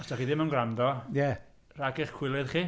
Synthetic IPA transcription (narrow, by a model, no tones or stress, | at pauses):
ɔstaχiðɪmənɡramdɔjɛ | raɡɪχkʰw̥ɪlˠɨðχiː